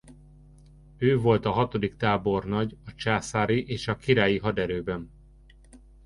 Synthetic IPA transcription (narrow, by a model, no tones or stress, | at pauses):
øːvo̞lt̪ɒɦɒt̪o̞d̪ikt̪aːbo̞rnɒɟɒt͡ʃaːsaːɾiʔeːʃɒkiɾaːjiɦɒd̪ɛɾøːbɛn